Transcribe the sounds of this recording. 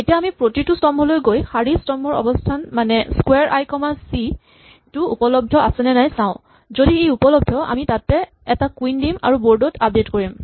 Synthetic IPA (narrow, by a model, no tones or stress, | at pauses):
etijaːmipɹotitustɔmɦɔlojɡojxaɹistɔmɔɹɔ̰bɔstʰanmanɛskwɛɹʔa̰jkɔmasi | tʊupɔlɔb̚dʱɔʔasɛnɛnajsãʊ̃ | zodiejupɔlɔb̚dʱɔa̰mitatːɛ | ɛtakwindima̰ɹuboɹdɔtʰap̚detkoɹim